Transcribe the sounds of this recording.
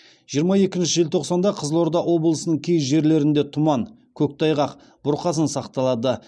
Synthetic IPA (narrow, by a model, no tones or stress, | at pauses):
ʒ̥ijəɾmɑje̞kʲɪnʃɪʒelʲt̪ʰo̞qsɑnd̪ɑqʰəzəlˠo̞ɾd̪ɑwo̞blˠəsənəɴkʲʰejʒe̞ɾle̞ɾɪnd̪e̞t̪ʰʊmɑŋ | kʲʰɵk̚t̪ʰɑjʁɑq | b̥ʊɾqʰɑsənsɑqt̪ɑlˠɑd̪ə